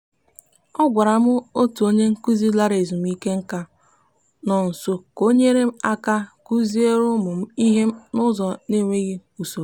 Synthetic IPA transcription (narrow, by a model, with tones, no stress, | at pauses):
ɔ˦ɡʷa˨ɾa˨mʊ˦o˦tu˨o˦ɲe˦ŋ̩˦ku˦zi˦la˦ɾe˨zu˨m̩˨˦i˦ke˦ŋ̩˦ka˦ | nɔ˨n̩˨sʊ˨ko˦ɲe˦ɾe˦m̩˦a˦ka˦ku˦zi˦e˦ɾʊ˦mʊ˨m̩˦i˦ɦe˦m̩˦nʊ˦zɔ˨ne˦˨ŋʷe˦ɣi˦u˨so˨˦